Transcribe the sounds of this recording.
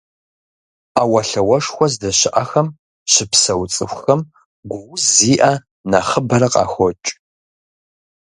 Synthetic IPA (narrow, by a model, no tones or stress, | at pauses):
awɐɬɐwɐʂxʷɔzdɐɕɪʔɐxɐm | ɕɪpsɐwt͡sʼɨ̰xʷxɐm | ɡʷʊwziːʔa | naχəbɐɾɐqɑ̰ːxʷɔt͡ʃʼ